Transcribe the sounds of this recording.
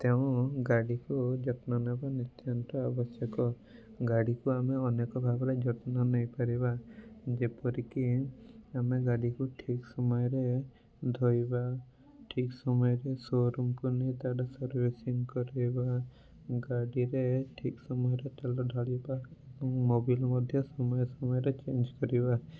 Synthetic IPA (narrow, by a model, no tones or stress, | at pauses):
t̪eʊ̃ɡaɽikud͡ʒɔt̪nɔnebanit̪jɔnt̪ɔabɔsjɔkɔ | ɡaɽikuameɔnekɔbʱabɔɾed͡ʒɔt̪nɔnɔjpaɾibad͡ʒepɔɾikiameɡaɽikuʈʰiksɔmɔjɔɾe | d̪ʱojba | ʈʰiksɔmɔjɔɾesoɾumkunet̪aɖasɔɾbesiŋkɔɾiba | ɡaɽiɾeʈʰiksɔmɔjɔɾeʈelɔɖʱɔɽibaebɔŋmobilmɔd̪ʱjɔsɔmɔjɔsɔmɔjɔɾet͡ʃend͡ʒkɔɾiba